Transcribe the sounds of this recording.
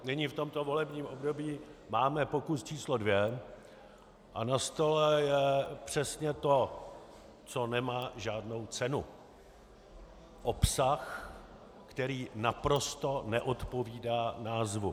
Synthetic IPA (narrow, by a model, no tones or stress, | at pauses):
nɪɲɪft̪o̞mt̪o̞vo̞lɛbɲiːmʔo̞bdobiːmaːmɛpo̞kust͡ʃiːslodvjɛ | ʔanast̪o̞lɛjɛpr̝̥ɛsɲɛt̪o | t͡so̞nɛmaːʒaːdno̞wt͡sɛnu | ʔopsax | kt̪ɛɾiːnapɾo̞st̪onɛʔot̪po̞viːdaːnaːzvu